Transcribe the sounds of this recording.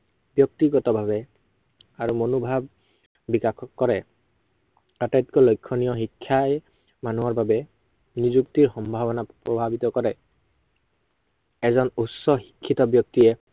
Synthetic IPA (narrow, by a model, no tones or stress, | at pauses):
bjɔk̚t̪iɡɔtɔbʱabɛ | aɹumonubʱabː | ikakʰɔkːɔɹɛ | atajt̪ikɔlojkʰːɔnijɔɦikʰːaj | manuwaɹbabɛ | nizukt̪iɹxɔmbʱabɔnapɹɔbʱabit̪ɔkɔɹɛ | ɛzɔnusːɔxi̥kʰːit̪ɔbjɔk̚t̪iɛ